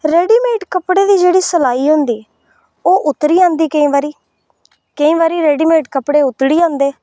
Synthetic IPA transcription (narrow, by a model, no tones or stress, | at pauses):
ɾɛːɖiːmeːʈkəpɽeːd̪iːd͡ʒeːɽiːsəlaːiːɦoʊ̃nd̪iː | oːʔʊt̪ːɾiːãːnd̪iːkəĩːʋaːɾiː | kəĩːʋaːɾiːɾeːɖiːmeːʈkəpɽeːʊt̪ːɽiːãːnd̪eː